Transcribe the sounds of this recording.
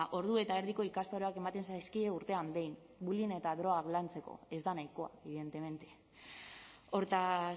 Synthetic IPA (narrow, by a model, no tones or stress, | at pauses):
ʔo̞ɾðue̞t̪aeɾðiko̞ikast̪aɾoake̞mat̪e̞nsajskieuɾt̪e̞ambe̞jn | buline̞t̪aðɾo̞ɣaklant͡se̞ko̞̰e̞zd̪anajko̞a̰eβiðe̞nt̪e̞me̞nt̪e̞ | o̞ɾt̪a